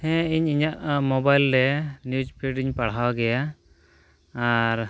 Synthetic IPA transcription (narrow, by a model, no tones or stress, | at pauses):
hɛ̃iɲiɲaʔmɔbajlɾɛnjud͡ʒpʰiɖiɲpaɽɦawɡɛja | ɾ